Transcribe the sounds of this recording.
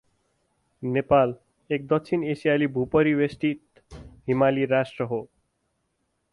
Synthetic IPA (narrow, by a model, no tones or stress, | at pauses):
nepal | ek̚d̪ʌksʰinesijalibʱupʌɾiwesʈit̪ | ɦimaliɾasʈɾʌɦo